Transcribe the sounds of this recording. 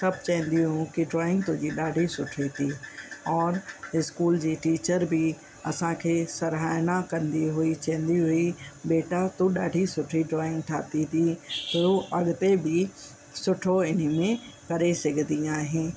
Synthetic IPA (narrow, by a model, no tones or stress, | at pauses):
sɐb̚t͡ʃɛ̃ɦnd̪iɦũkiɖɾɔːɪ̃ŋɡ̚t̪oːd͡ʒiɗaːɖʱisʊʈʰit̪ʰiɔːɾɪskuːld͡ʒiʈiːt͡ʃəɾbʱi | ɐsãkʰesɐɾɦaːjnakɐnd̪iɦʊit͡ʃɛ̃ːnd̪iɦʊibeːʈat̪õɗa̰ːɖʱisʊʈʰiɖɾɔːɪ̃ŋɡʈʰa̰ːt̪it̪ʰit̪ooʔɐɡt̪ebʱi | sʊʈʰoɪn̤mẽ | kɐɾesɪkd̪iaːɦẽː